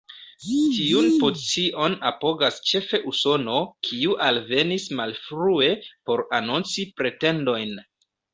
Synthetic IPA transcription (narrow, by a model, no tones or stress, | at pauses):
tiunpot͡siʔo̞napo̞ɡast͡ʃe̞fe̞ʔuso̞no̞kʰiuʔalve̞nismalfɾue̞po̞ɾanunt͡sipɾe̞te̞ndo̞jn